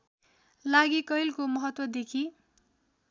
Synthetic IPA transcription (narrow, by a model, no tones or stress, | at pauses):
laɡikʌjlkomʌɦʌt̪wʌd̪ekʰi